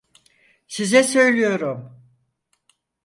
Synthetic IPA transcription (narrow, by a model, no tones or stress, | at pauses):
sizɛsø̞jlʲijo̞ɾum